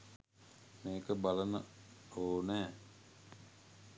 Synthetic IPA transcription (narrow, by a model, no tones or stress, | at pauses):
mẽːkəbələnɦoːnɛ̃ː